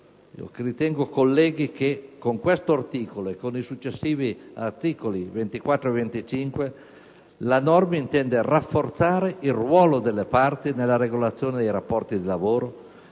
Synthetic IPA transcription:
ḭo̰krit̪ɛŋɡokolːɛːɡikekːoŋkwest̪oart̪iːkoloekːonisut͡ʃːesːiːviart̪iːkolivent̪ikwat̪ːɾoevent̪it͡ʃiŋkwe | lanɔrmint̪ɛnd̪erafːort̪saːɾeilrwɔːlod̪elːepart̪inelːaɾeɡolat̪sːjoːned̪ɛjɾapːɔrt̪id̪ilavoːɾo

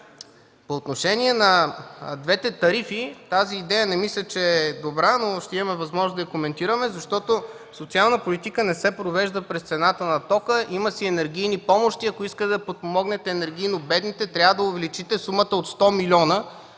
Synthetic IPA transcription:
poːt̪noʃɛniɛnɐd̪vɛt̪ɛt̪ɐɾifit̪aziːd̪ɛjənɛmislʲət͡ʃɛɛd̪obɾanoʃt̪ɛimɐmɛvɐzmɔʒnzd̪ɐikomɛnt̪iɾəmɛzɐʃt̪ɔt̪o | sot̪sialˠnəpolit̪ikənɛsɛpɾovɛʒd̪əpɾɛst̪sɛnat̪ənɐt̪ɔkəʔiməsiɛnɛɾɡʲijnipɔmoʃt̪iɐkoiskət̪ɛd̪ɐpot̪̚pomɔɡnɛt̪ɛːnɛɾɡʲijnobɛd̪nit̪ɛt̪ɾʲavəd̪ɐʊvɛlit͡ʃit̪ɛsumət̪əot̪st̪ɔmilʲɔnə

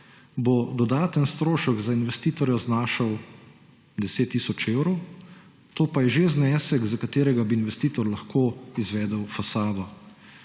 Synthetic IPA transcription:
bod̪ɔd̪aːt̪ənst̪ɾoːʃəɡzainʋɛst̪iːt̪ɔɾjɔznaːʃəw | d̪ɛseːt̪ːiːsɔt͡ʃewɾɔw | t̪oːpajɛʒeznɛːsɛkzakat̪eːɾɛɡabiːnʋɛst̪iːt̪ɔɾlɐxkoːizʋɛːd̪əwfasaːʋɔ

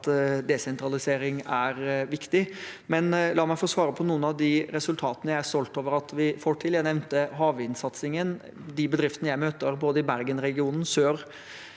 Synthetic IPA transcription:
t̪d̪ɛsɛnt̪ɾɑlɪseːɾɪŋæɾʋɪkt̪ɪmɛnlɑːmæɪfosʋɑːɾəpʰɔnuːənɑʋd̪ɪɾɛsʉlt̪ʰɑːt̪ənəjæɪæɾsɔlt̪oːʋəɾɑt̪ʋɪfoːʈʰɪljæɪnɛʋnt̪əɦɑːʋɪnsɑt̪sɪŋən | d̪ɪbəd̪ɾɪft̪ənəjæɪmøːt̪əɾboːd̪əɪbæɾɡənɾɛɡɪuːnn̩søːɾ

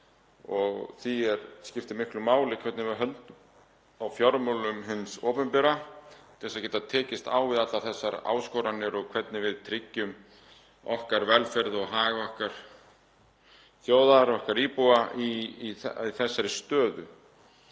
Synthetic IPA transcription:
ɔɣθiɛɾscɪft̪ɪmɪhklʏmaːwlɪkʰvɛt̪nɪvɪðɦœnt̪ | awfjɔɾmolʏmɦɪnsɔːpʏmpɪɾat̪ʰɛsːacɛːt̪at̪ʰɛːcɪst̪a̰ːwvɪðat̪laθɛsːaɾa̰ːwskoːwɾanːɪɾɔɣkʰvɛt̪nɪvɪðt̪ʰɾɪcːʏm | ɔhkaɾvɛlfɛɾðɔɣɦaːɣvahkaɾ̥ | θjoːwðaɾɔhkaɾiːpuai | iθɛsːaɾɪst̪œːðʏ

